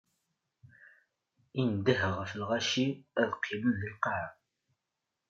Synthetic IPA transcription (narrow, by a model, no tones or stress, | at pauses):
ind̪əɦəʁfəlʁæʃiæðqʰːimənlilqɑʕa